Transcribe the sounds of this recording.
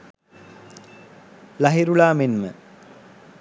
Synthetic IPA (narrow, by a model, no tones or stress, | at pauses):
laɦiɾulaːmenmə̰